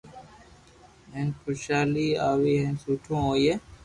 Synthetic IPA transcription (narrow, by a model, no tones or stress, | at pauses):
ɦẽnkʰʊʃaːliːaːʋiːɦẽnsuːʈʰõːoːjeː